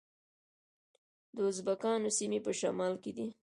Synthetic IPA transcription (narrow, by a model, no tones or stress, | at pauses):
d̪əʊzbakɑnosimepəʃa̰mɑlked̪i